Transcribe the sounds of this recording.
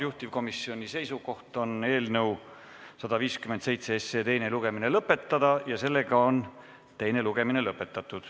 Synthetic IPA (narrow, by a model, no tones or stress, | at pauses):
juht̪ivko̞misːio̞nʲise̞jsuɡo̞ht̪o̞ne̞ːlnɤw | sɑd̪̥ɑviːskymend̪sejt̪se̞esːe̞t̪e̞jne̞luɡ̥e̞mine̞lɤpːˑe̞t̪ːˑɑd̪̥ɑjɑse̞lːe̞ɡ̥ɑon | t̪e̞jne̞luɡ̥e̞mine̞lɤpːˑe̞t̪ːˑɑt̪ːˑud̪̥